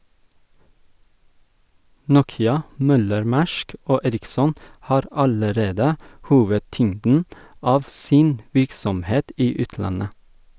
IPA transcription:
ˈnuːkɪɑ ˈmœləɾˌmæʃk ˈoː ˈeːɾɪksɔn ˈhɑːɾ ˈɑləˌɾeːdə ˈhuːʋəˌtʏŋdn̩ ˈɑːʋ ˈsɪn ˈʋɪɾksɔmˌheːt ˈiː ˈʉːtˌlɑnə

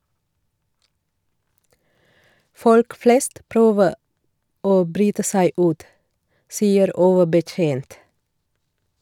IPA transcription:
ˈfɔlk ˈfleːst ˈpɾøːʋə ˈoː ˈbɾyːtə ˈsæɪ ˈʉːt ˈsiːəɾ ˈoːʋəbəˌtjeːnt

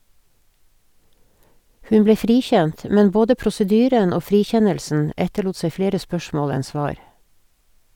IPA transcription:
ˈhʉn ˈbleː ˈfɾiːˌçɛnt ə ˈmɛn ˈboːdə ˌpɾʊsəˈdyːɾən ˈoː ˈfɾiːˌçɛnəlsn̩ ˈɛtəɭuːt ˈseɪ ˈfleːɾə ˈspœʃmoːl ˈɛn ˈsʋɑːɹ

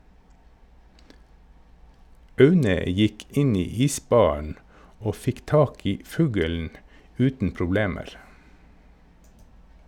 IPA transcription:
ˈɑʉnə ˈjɪk ˈɪn ˈiː ˈiːˌsbɑːɳ̩ ˈoː ˈfɪk ˈtɑːk ˈiː ˈfʉːɡɛln̩ ˈʉːtn̩ pɾʊˈbleːməɾ

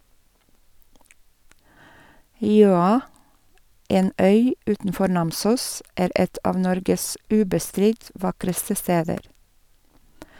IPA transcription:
ˈjøːɑ ˈeːn ˈœʏ ˈʉːtn̩ˌfɔɾ ˈnɑmsuːs ˈeːɾ ˈɛt ˈɑːʋ ˈnɔɾɡəs ˈʉːbəˌstɾɪt ˈʋɑkɾəstə ˈsteːdəɾ

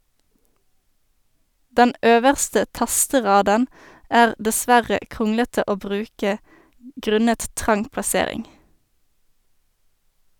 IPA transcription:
ˈdɛn ˈʔøːʋəʁstə ˈtɑstəˌʁɑːdən ˈæːʁ dəˈsʋæʁə ˈkʁʊŋlətə ˈoː ˈbʁʉːkə ˈɡʁʉnət ˈtʁɑŋ plɑˈseːʁɪŋ

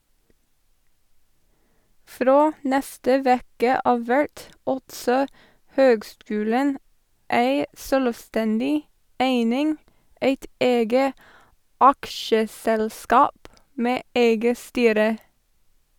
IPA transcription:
ˈfɾoː ˈnɛstə ˈʋeːkə ˈɑːʋ ˈʋæɹt ˈɑltsɔ ˈhøːɡˌskʉːlən ˈæɪ ˈsøːlʋˌstɛndɪ ˈæɪnɪŋ ˈeɪt ˈeːɡə ˈɑkʃəˌsɛlˌskɑːp ˈmeː ˈeɪɡə ˈstyːɾə

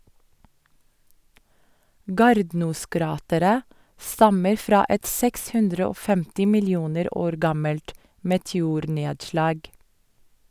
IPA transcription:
ˈɡɑːɾdnuːˌskɾɑːtəɾə ˈstɑməɾ ˈfɾɑː ˈɛt ˈsɛks ˈhʉndɾə ˈoː ˈfɛmtɪ mɪlɪˈuːnəɾ ˈoːɾ ˈɡɑməlt mɛtɛˈuːɾˌneːdʃlɑːɡ

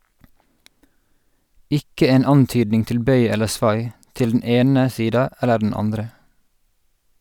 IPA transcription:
ˈʔɪkə ˈeːn ˈɑnˌtyːdnɪŋ ˈtɪl ˈbœʏ ˈɛləɹ ˈsʋɑɪ ˈtɪl dn̩ ˈeːnə ˈsiːdɑ ˈælə ɖɳ̩ ˈɑndɾə

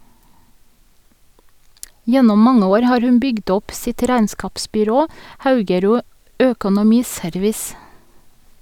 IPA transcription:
ˈjɛnɔm ˈmɑŋə ˈoːɾ ˈhɑːɹ ˈhʉn ˈbʏɡd ˈɔp ˈsɪt ˈɾæɪnˌskɑːpsbʏˌɾoː ˈhɑʉɡəˌɾuː ˈøːkʊnʊˌmiːˌsœɾʋɪs

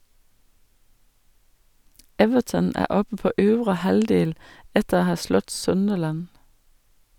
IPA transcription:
ˈɛʋəʈən ˈæː ˈɔpə ˈpoː ˈøːʋɾə ˈhɑldeːl ˈɛtəɾ ˈhɑː ˈslɔt ˈsœndəlæn

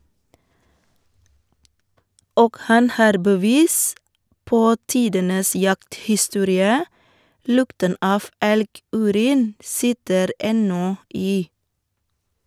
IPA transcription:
ˈoːɡ ˈhɑn ˈhɑːɾ bəˈʋiːs ˈpoː ˈtiːdənəs ˈjɑkthɪˌstuːɾɪə ˈlʊktən ˈɑːf ˈɛlˌɡʉːˌɾiːn ˈsɪtəɾ ˈɛnɔ ˈiː

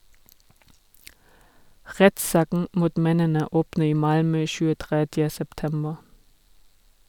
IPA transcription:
ˈʁɛtˌsɑːkn̩ ˈmuːt ˈmɛnənə ˈoːpn̩ ˈiː ˈmɑlmœ çʉːəˈtʁɛdjə sɛpˈtɛmbə

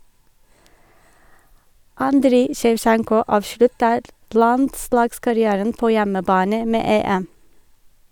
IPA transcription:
ˈɑndɾiː ʃɛʋˈʃæŋkɔ ˈɑːʋʃɭʉtəɾ ˈlɑndˌslɑːɡskɑɾɪˌæːɾən ˈpoː ˈjɛməˌbɑːnə ˈmeː ˈeːɛm

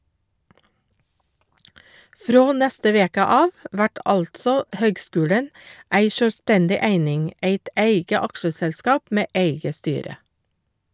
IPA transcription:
ˈfɾoː ˈnæstə ˈʋeːkə ˈɑːʋ ə ˈʋæʈ ˈʔɑltsɔ ˈhøːɡˌskʉːɽən ˈæɪ ʃœlˈstɛndɪ ˈæɪnɪŋ ˈeɪt ˈʔeɪɡə ˈɑkʃəsɛlˌskɑːp ˈmeː ˈʔeɪɡə ˈstyːɾə

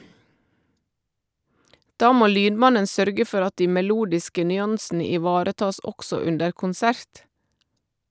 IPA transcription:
ˈdɑː ˈmoː ˈlyːnˌmɑnən ˈsœɾɡə ˈfɔʁ ˈɑt ˈdiː mɛˈluːdɪskə nʏˈɑnsn̩ə ɪˈʋɑːɾəˌtɑːs ˈɔɡsɔ ˈʉndəɾ kʊnˈsæɾt

